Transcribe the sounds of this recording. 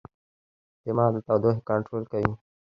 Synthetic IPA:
t̪emãːd̪t̪awd̪oɦkaɳʈɾoːlkɐjũː

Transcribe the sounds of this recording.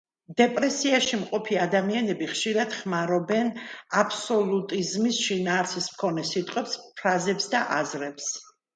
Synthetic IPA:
d̪ɛpʼɾɛsiaʃimqʼɔpʰiad̪amianɛbiχʃiɾad̪̥χmaɾɔbɛnapʰsɔlˠut̪ʼizmisʃinaːɾt̪sʰismkʰɔnɛsit̪ʼqʼwɛpspʰɾazɛpsd̪aʔazɾɛps

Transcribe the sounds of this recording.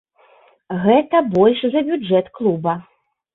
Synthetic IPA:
ɣɛt̪ɐbɔlʲʂzɐbʲuɛt̪klˠubɐ

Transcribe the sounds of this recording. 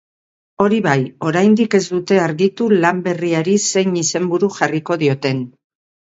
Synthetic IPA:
o̞ɾiβajo̞ɾajnd̪ike̞zd̪ut̪e̞aɾɣit̪ulambe̞riaɾise̞jnise̞mbuɾuʝariko̞ðio̞t̪e̞n

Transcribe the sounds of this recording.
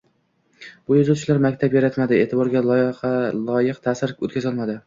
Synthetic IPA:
b̥ʊjʊzʊt͡ʃʰlaɾmakʲt̪ʰapjaɾat̪mad̪ɪe̞ːt̪ʰɪbɒɾɡʲalˠɒjqʰɑlˠɒjɨqt̪ʰasɪɾot̪kʲazɒlˠmad̪ɪ

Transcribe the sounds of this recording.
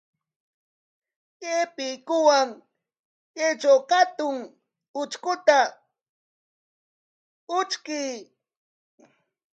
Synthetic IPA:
jepɪjkʊwaŋ | jet͡ʃawkat̪ʊŋ | ʊt͡ʃkʊt̪a | ʊt͡ʃkɪj

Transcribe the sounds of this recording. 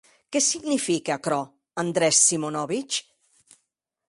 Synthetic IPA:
kɛsiɡnifikeakɾɔ | and̪ɾɛsːimonɔβit͡ʃ

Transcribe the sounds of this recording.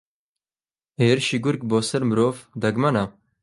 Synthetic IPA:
eːɾʃiɡʊɾk̚boːsɐɾmɨɾoːvd̪ɐɡmɐna

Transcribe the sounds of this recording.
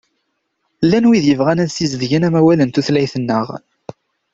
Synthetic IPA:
lːænwiðjəvʁænæðsizəðʝənæmæwælənt̪uθlæjθənːəʁ

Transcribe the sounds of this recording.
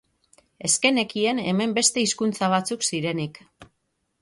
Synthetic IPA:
e̞ske̞ne̞kie̞ne̞me̞mbe̞st̪e̞iskunt͡saβ̞at͡suksiɾe̞nik

